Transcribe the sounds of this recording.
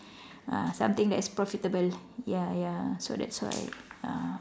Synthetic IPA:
ã̰sãmt̪ɪ̃ŋdɛtspɹɔfit̪əbəljajasodɛ̰tswa̰ɪã̰

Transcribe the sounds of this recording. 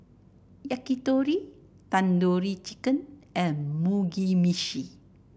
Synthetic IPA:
jakit̪oɾi | t̪andoɾit͡ʃikənɛmuɡimiʃi

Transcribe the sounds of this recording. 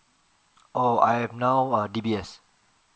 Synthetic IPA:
ʔoa̰jhɛvnaʊədibiɛs

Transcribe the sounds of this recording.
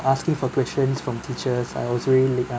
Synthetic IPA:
askɪ̃ŋfɔkwɛst͡ʃə̃nsfɹɔ̃mtʰit͡ʃəsa̰ɪwɔsɹɛliliɡã

